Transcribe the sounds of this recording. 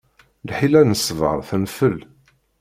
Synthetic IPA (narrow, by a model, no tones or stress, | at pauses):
lħilænəsːvə̰ɾˤθənfəl